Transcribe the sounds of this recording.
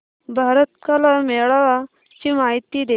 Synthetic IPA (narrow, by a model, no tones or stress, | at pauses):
bʱaɾət̪kalameɭa | t͡ɕiːmaɦit̪id̪e